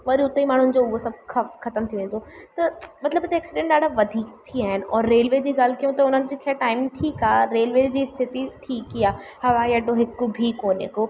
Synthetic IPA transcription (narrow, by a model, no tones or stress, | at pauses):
ʋɐɾiʊt̪ːeimaːɳ̤ʊn̆d͡ʑoʊɦosɐb̚kʰɐkʰɐt̪əmt̪ʰiʋẽːnd̪ot̪ɐmɐt̪ləbet̪eɛːksɪɖẽɳʈɗaːɽʱaʋɐd̪ʱiːkt̪ʰiaːɦɪnɔːɾːeːlʋeːd͡ʑiːɡaːl̤kijũt̪ɐʊn̤ənɪ̆d͡ʑikʰɛːʈaːɪmʈʰiːkaːɾeːlʋeːd͡ʑiːst̪ʰɪt̪iʈʰiːkːiaːhɐʋaːjɛɖoɦɪkːobʱikoːnḛko